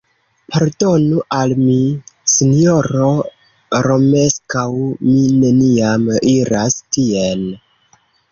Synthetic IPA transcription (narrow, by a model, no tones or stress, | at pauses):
paɾdo̞nuʔalmisinjoɾo̞ | ɾo̞meskawmine̞niamiɾastien